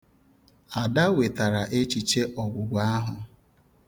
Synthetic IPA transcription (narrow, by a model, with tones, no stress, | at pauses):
a˨da˦we˨ta˨ɾa˨ʔe˦t͡ʃi˨t͡ʃe˦ʔɔ˨ɡʷʊ˨ɡʷa˦ɦʊ˨